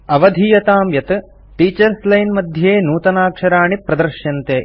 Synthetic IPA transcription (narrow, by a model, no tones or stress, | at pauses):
ɐʋɐd̪ʱijɐt̪aːmjɐt̪ɨ | ʈiːt͡ʃɐɾslɐjnmɐd̪ʱjeːnuːt̪ɐnaːkʂɐɾaːɳipɾɐd̪ɐɾʃjɐnt̪eː